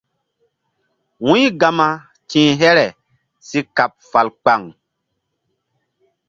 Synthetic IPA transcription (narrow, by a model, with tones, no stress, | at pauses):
wũ˦jɡa˨ma˨ | tĩː˨ɦɛ˦ɾɛ˨ | si˦ka˨p̚fa˨lk͡pa˨ŋ